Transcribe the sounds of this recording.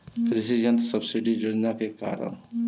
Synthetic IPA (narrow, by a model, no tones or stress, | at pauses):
ɾɪsid͡ʒənt̪səbsiɖid͡ʒoːd͡ʒnakeka̰ːɾə̰n